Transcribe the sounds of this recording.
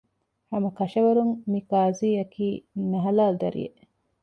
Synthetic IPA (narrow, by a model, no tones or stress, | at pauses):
hɐmɐkɐʃɐʋɐɾuŋmikaːziːɐkiːnɐɦɐlaːld̪ɐ̰ɾḭjḛʔ